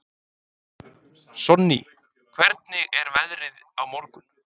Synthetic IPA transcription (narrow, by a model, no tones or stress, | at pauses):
sɔnːḭ | kʰvɛɾt̪̚nɪɣɛɾvɛðɾɪð | awmɔɾkʏm